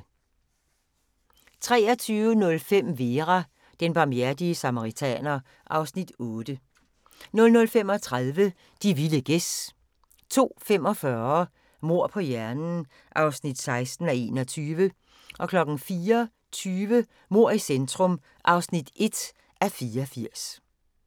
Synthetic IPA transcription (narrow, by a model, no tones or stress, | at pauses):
t͡sʰʁɛ̰ːɐt͡sʰyːʊənɔ̽lfem̰ʋe̝ːʁɑ | d̥enb̥ɑ̈mjæɐ̰d̥iəsɑmɑʁit͡sʰɛ̰ːnɐ | ʔɑ̈ʊsnid̥ɔːd̥ə | nɔ̽lnɔ̽lfem̰ɒ̽t͡sʰʁaðˠʋə | d̥iʋiləɡ̥es | t͡sʰo̝̰ːfem̰ɒ̽fɶɐ | mo̝ɐ̰pʰɒ̽jæɐnn̩ | ʔɑ̈ʊsnid̥sɑ̈ɪsd̥n̩æe̝ːnɒt͡sʰyːʋə | ʔɒ̽kʰlɒ̽ɡ̥n̩fiːɐ | t͡sʰyːʋə | mo̝ɐ̰isend̥ʁɔ̽m | ʔɑ̈ʊsnid̥e̝d̥ | ʔæfiːɐfiɐ̰s